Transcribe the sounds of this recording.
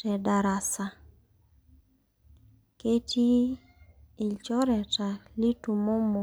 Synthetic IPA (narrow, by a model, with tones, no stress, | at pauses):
tɛ˨da˨ɾa˨sa˨ | ke˦tʰi˦ | ɪ˨t͡ʃɔ˦ɾɛ˨ta˨li˦tu˨mo˦mo˨